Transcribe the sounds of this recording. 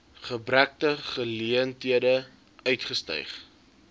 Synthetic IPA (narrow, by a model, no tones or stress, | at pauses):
χəbræk̚təχəliəntiədə | œɥtχəstœ̰jχ